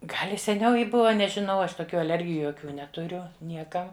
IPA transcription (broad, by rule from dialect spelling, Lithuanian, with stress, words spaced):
ˈɡɐlʲ ɪ sʲɛˈnʲɛʊ ˈjɪ ˈbʊʋɐ nʲɛʒʲɪˈnɐʊ ˈɐʃ toːˈkʲuː ɐˈlʲɛrʲɡʲɪjʊ joːˈkʲuː nʲɛtʊˈrʲʊ ˈnʲiɛkɐ